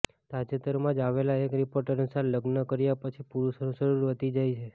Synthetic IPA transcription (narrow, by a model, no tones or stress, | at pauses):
t̪ad͡ʒet̪əɾmãd͡ʒaʋelaekɾipoɾʈəɾnsaɾləɡnəkəɾjapət͡ʃʰipuɾuʃonũʃəɾuɾʋət̪id͡ʒajt͡ʃʰe